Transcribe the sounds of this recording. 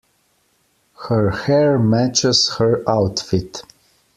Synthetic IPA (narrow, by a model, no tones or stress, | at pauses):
həɹhɛɹmæt͡ʃəshəɹawtfit